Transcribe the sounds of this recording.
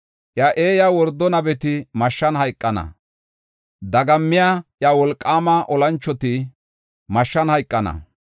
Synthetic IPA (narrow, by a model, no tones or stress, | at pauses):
ʔjaʔe̞ːjawɔɾd̪ːɔnɐbɛt̪ɪmɐʃːɐnhɐjkʼːɐnɐ̰ | d̪ɐɡɐmːɪjaʔjawɔlkʼːaːmɐʔɔlɐnt͡ʃːɔt̪ɪ | mɐʃːɐnhɐjkʼːɐnɐ̰